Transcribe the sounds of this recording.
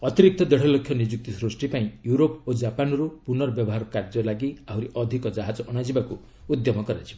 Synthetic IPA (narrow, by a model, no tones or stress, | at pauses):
ɔt̪iɾik̚t̪ɔd̪ɛɽ̤ɔlokʰjɔnid͡ʒuk̚t̪isɾosʈipaĩjuɾopod͡ʒapanɔɾupunɔɾɔbjɔbɔɦaɾɔkaɾd͡ʒɔlaɡiaɦuɾiʔɔd̪ʱikɔd͡ʒaɦad͡ʒɔʔɔɽ̃ad͡ʒibaku | ud̪jɔmɔkɔɾat͡ʃʰi̥